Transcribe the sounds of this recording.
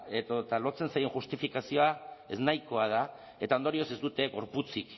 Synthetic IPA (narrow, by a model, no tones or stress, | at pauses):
et̪ot̪alo̞t͡se̞nsajeŋxust̪ifikasio̞ae̞̰znajko̞að̞a | e̞t̪aond̪o̞ɾio̞se̞zd̪ut̪e̞ɣo̞ɾput͡sik